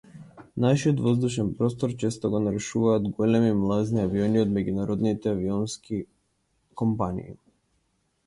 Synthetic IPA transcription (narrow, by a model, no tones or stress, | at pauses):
naʃiɔt̪vɔzd̪uʃɛnpɾɔst̪ɔɾt͡ʃɛst̪ɔɡɔnaɾɛʃuvaːd̪ɡɔlɛmimlˠazniaviɔniɔd̪mɛɟunaɾɔd̪nit̪ɛaviɔnski | kɔmpanḭː